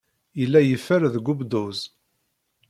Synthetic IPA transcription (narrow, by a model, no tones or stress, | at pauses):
jəlːæjəfːəɾðɡubd̪uz